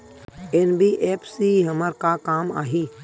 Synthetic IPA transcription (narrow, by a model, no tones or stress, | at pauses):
enbiʔeːpʰsiːɦəməɾkaːkaːma̰ːɦiː